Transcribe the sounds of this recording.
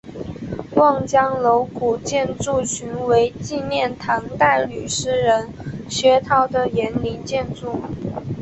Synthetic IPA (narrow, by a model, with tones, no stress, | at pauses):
wɑ˥˩ŋt͡ɕjɑ˥ŋlo˧˥ʊku˨˩t͡ɕjɛ˥˧nt͡su˥˩t͡ɕʰy˧˥nwe˧˥ɪt͡ɕi˥˧njɛ˥˩nt̪ʰɑ˧˥ŋt̪a˥˩ɪly˨˩ʂɻ̩˥ɻə˧˥nɕɥɛ˧˥t̪ʰɑ˥ʊd̪ə˨jɛ˧˥nli˧˥nt͡ɕjɛ˥˧nt͡su˥˩